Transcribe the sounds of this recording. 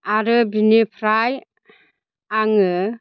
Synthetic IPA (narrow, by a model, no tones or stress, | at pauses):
aɾɯbinipʰɾaj | aŋɯ